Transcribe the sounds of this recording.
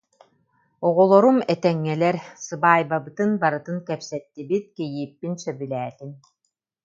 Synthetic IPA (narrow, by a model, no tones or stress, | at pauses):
ɔʁɔlˠɔɾumɛt̪ɛŋːɛlɛɾsɯbaːjbabɯt̪ɯnbaɾɯt̪ɯnkɛpsɛt̪ːibit̪̚kɛjiːpːinsœbylɛːt̪in